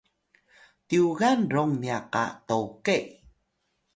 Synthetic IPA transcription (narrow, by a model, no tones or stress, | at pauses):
t̪iuɣanɾoŋniaqa̰t̪owkeʔ